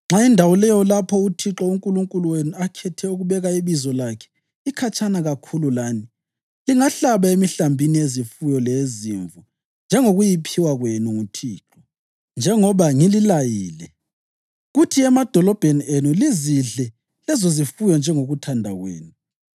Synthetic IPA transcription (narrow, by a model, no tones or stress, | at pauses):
ŋ͡ǁaindʱawulɛjɔlapʰɔutʰiǁɔuŋkʼuluŋkʼuluwenuakʰɛtʰɛuɣuβɛɣaiβizɔlakʰɛ̥ | ikʰat͡ʃʼanaɣakʰululaːni | liŋaɬaβaemiɬambʱiniezifujɔleziɱvu | nd͡ʒʱɛŋoɣujipʰiwaɣwenuŋutʰiːǁɔ | nd͡ʒʱɛŋɔβaŋililajiːlɛ | ɣutʰiɛmad̥ʱɔlɔb̥ʱenienuliziɮɛ | lɛzozifujɔnd͡ʒʱɛŋoɣutʰandʱaɣwḛːnu